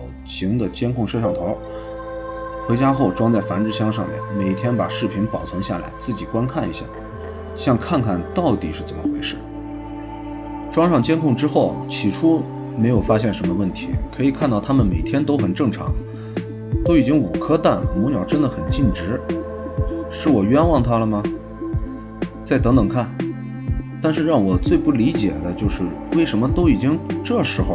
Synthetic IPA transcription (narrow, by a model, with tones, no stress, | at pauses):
ɕi˧˥ŋd̪ə˨t͡ɕjɛ˥nkʰʊ˥˧ŋʂʂɑ˥˩ŋt̪ʰo˧˥ | xɤ˧˥t͡ɕja˥xo˥˩ʊʈ͡ʂwɑ˥ŋt͡sa˥˩ɪfa˧˥nʈ͡ʂɻ̩˥˧ɕjɑ˥ŋʂɑ̰˥˧ŋmjɛ̰˥˩nme˨˩ɪt̪ʰjɛ˥npa̰˨˩ʂɻ̩˥˩pʰi˧˥npɑ˨˩ʊt͡sʰwə˧˥nɕja̰˥˩la̰˧˥ɪt͡sɹ̩˥˩t͡ɕi˨˩kwa˥nkʰa˥˩ni˧˥ɕja̰˥˩ | ɕjɑ˥˧ŋkʰa˥˧nkʰa˥˩nt̪ɑ˥˩ʊt̪i˨˩ʂɻ̩˥˩t͡sə˨˩mə˧xwe˧˥ɪʂɻ̩˥˩ | ʈ͡ʂwɑ˥ŋʂɑ˥˩ŋt͡ɕjɛ˥nkʰʊ˥˩ŋʈ͡ʂɻ̩˥xo˥˩ʊt͡ɕʰi˨˩ʈ͡ʂʰu˥ | me˧˥ɪjo˨˩ʊfa˥ɕ̬jɛ˥˩nʂə˧˥nmə˧wə˥˩nt̪ʰḭ˧˥kʰɤ˧˥i˨˩kʰa˥˧nt̪ɑ˥˩ʊt̪ʰa˥mə˨nme˨˩ɪt̪ʰjɛ˥nt̪o˥ʊxə˨˩nʈ͡ʂɤ˥˩ŋʈ͡ʂʰɑ̰˧˥ŋ | t̪o˥ʊi˨˩t͡ɕi˥ŋu˨˩kʰɤ˥t̪a˥˩nmɔ˧˥njɑ˨˩ʊʈ͡ʂə˥nd̪ə˨xə˨˩nt͡ɕi˥˩nʈ͡ʂɻ̩˧˥ | ʂɻ̩˥˩wɔ˨˩ɥɛ˥nwɑ˥˩ŋt̪ʰa˥lə˨mɐ˩ | t͡sa˥˩ɪt̪ɤ˧˥ŋt̪ɤ˨˩ŋkʰa˥˩n | t̪a˥˧nʂ̬ɻ̩˥˧ɻɑ˥˩ŋwɔ˨˩t͡swe˥˧ɪpu˥˩li˧˥t͡ɕjɛ̰˨˩d̪ə˦t͡ɕjo˥˧ʊʂɻ̩˥˧we˥˩ɪʂə˧˥mə˧t̪o˥ʊi˨˩t͡ɕi˥ŋʈ͡ʂɤ˥˩ʂɻ̩˧˥xo˥˧